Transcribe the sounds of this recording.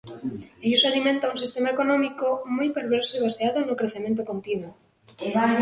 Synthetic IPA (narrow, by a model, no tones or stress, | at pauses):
eʎusalimẽnt̪aunsist̪emaekonɔmikomojpeɾβeɾsoiβaseaðonokɾeθemẽnt̪okont̪inwo